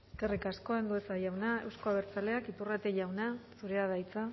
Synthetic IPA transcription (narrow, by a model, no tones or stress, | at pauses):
kerikasko̞end̪ue̞sajawnae̞̰wsko̞aβe̞ɾt͡sale̞akipurat̪e̞ʝawnasuɾeað̞ajt͡sa